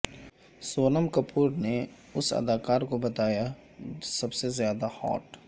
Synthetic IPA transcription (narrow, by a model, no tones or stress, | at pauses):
soːnəmkɐpʰuːɾne | ʊsɐ̰d̪aːkaːɾkobɐt̪aːja | sɐbsezjaːd̪ahɔ̰ːʈ